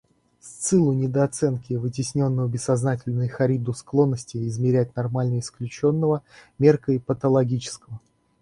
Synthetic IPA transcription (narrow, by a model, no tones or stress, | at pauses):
sʲt̪sɨlˠʊnʲɪd̪əɐt̪sɛnkʲɪvɨtʲɪsʲnʲo̞nːəvəbʲɪsːɐznatʲɪlʲnəjxɐɾʲid̪ʊsklˠo̞nːəsʲtʲɪːzmʲɪɾʲæt̚ʲnɐrmalʲnəɪsklʲʉt͡ɕo̞nːəvəmʲerkəipət̪əlˠɐɡʲit͡ɕɪ̥skəvə